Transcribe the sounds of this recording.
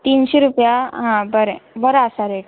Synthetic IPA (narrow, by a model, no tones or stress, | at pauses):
t̪iːnɕeɾupjaɦãbəɾɛbəɾasaɾeʈ